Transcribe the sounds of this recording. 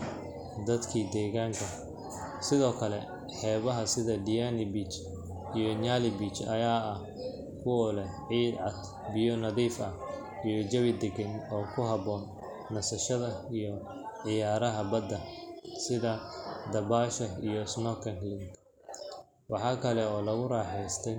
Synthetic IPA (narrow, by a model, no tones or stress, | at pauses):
d̪ɐd̪kʰiːd̪ɛːɣaːŋkʰɐ | sɪðɔːkʰɐlɛ | ħɛːβɐɦɐsɪðɐd̪ɪjaːnɪbit͡ʃ | ijɔɲaːlɪbit͡ʃɐjaːɐh | kʰʊwɔlɛʕiːd̪ʕɑd̪ | bɪjɔnɐðiːfɐh | ijɔd͡ʒɐβɪd̪ɛɡɐnɔːkʰʊɦɐβɔːnː | ɐsɐʃɐðɐijɔ | ʕɪjaːɾɐɦɐbɐd̪ɐsɪðɐd̪ɐβaːʃɐijɔɪsnɔːkʰɐnlɪŋ | wʔɑħɑːkʰɐlɛɔːlɐɣʊraːħɛjst̪ʰɛj